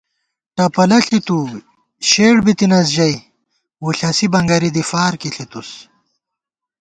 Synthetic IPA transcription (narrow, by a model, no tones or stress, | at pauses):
ʈɐpɐlɐɬit̪u | ɕeːɽbit̪inɐs̬ʑɐj | wuɬɐsibɐŋɡɐɾid̪ifaːɾkiɬit̪us